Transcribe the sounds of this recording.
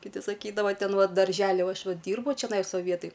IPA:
kʲɪˈtʲɪ sɐˈkʲiːdɐʋɐ ˈtʲɛn ˈʋɐ dɐrʲʒʲɛˈlʲɪ uɔ ˈɐʃ ˈʋɐ ˈdʲiːrbʊ t͡ʃʲɛˈnɐɪs ˈʋɐ ˈʋʲiɛtɐj

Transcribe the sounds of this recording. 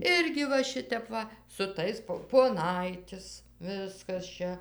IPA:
ˈɪrʲɡʲɪ ʋɐ ˈʃʲɪtʲɛp ˈʋɐ sʊ ˈtɐɪs poː poːˈnɐɪtʲɪs ˈʋʲɪskɐs ˈt͡ʃʲɛ

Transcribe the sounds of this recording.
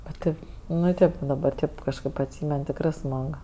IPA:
bʲɛt ˈtɐɪp ˈnʊ ˈtʲeːp dɐˈbɐr ˈtʲeːp kɐʃˈkɜp ɐtʲˈsʲiːmʲɛn tʲɪkˈrɜ ˈsmɐk

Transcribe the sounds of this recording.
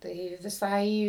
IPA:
ˈtɐɪ ʋʲɪˈsɐɪ

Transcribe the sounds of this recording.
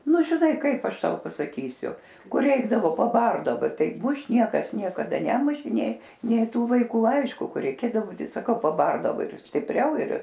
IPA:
ˈnʊ ʒʲɪˈnɐɪ ˈkɐɪp ˈɐʃ ˈtɐʊ pɐsɐˈkʲiːsʲʊ ˈkʊr ˈrʲɛɪɡdɐʋoː pɐˈbɐrdɐʋɐ ˈtɐɪ ˈmʊʃt ˈnʲiɛkɐs nʲiɛkɐˈdɐ ˈnʲæːmʊʃʲeː ˈnʲeː nʲeː ˈtuː ʋɐɪˈkuː ˈɐɪʃkʊ ˈkɐɪ rʲɛɪˈkʲeːdɐʋoː ˈtɐɪ sɐˈkɐʊ pɐˈbɐrdɐʋoː ɪr sʲtʲɪpʲˈrʲɛʊ ɪr

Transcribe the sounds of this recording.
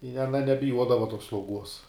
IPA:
ɪ ɐˈnɐ nʲɛbʲɪˈjuɔdɐʋɐ toːs slˠɐʊˈɡuɔs

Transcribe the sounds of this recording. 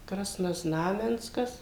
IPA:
krɐsnoːˈznɑːmʲɛnskɐs

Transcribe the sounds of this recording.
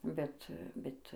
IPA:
ˈbʲɛt ˈbʲɛt

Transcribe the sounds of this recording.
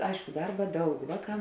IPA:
ˈɐɪʃkʊ ˈdɐrbɐ ˈdɐʊk ˈʋɑːˌkɑː

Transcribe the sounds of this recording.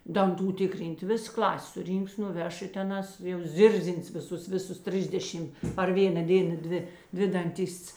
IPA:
dɐnˈtuː ˈtʲɪkˌrʲiːnʲtʲ ˈʋʲɪs ˈklˠɐsʲ sʊˈrʲiːŋks nʊˈʋʲɛʃ ɪ tʲɛˈnɑːs jɛʊ ˈzʲɪrʲzʲɪns ʋʲɪˈsʊs ˈʋʲɪˌsʊs ˈtʲrʲɪzʲdʲɛʃʲɪm pɐr ˈʋʲeːnɐ ˈdʲeːnɐ ˈdʲʋʲɪ ˈdʲʋʲɪ dɐnʲˈtʲɪsts

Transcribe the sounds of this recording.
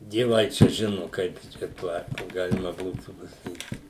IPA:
dʲiɛˈʋɐɪ t͡ʃʲɛ ˈʒʲɪnʊ ˈkɐɪp t͡ʃʲɛˈtuɔ ˈɑːtʲʋʲɛjʊ kɐɪp ˈɡɑːlʲɪmɐ ˈbuːtuː pɐsɐˈkʲiːt

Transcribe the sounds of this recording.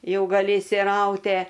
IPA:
ˈjɛʊ ɡɐˈlʲɪ ɪʃʲsʲɪˈrɐʊtʲɛ

